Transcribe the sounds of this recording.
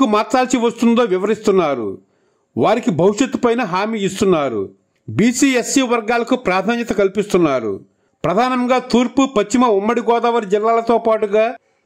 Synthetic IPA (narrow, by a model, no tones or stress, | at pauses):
umaːɾt͡ʃaːlsiʋɐst̪und̪oːʋiʋɐɾist̪unːaːɾṵ | ʋaːɾikibʱɐwiʂjɐt̪ːupɐjnɐɦaːmiːist̪unːaːɾṵ | biːsiːesiːʋɐɾɡaːlɐkupɾaːd̪ʱaːɲjɐt̪ɐkɐlipist̪unːaːɾṵ | pɾɐd̪ʱaːnɐŋɡaːt̪uːɾpupɐt͡ʃːimɐumːɐɽiɡɔːd̪ɐʋɐɾid͡ʒilːaːlɐt̪o̞ːpaːʈuɡaː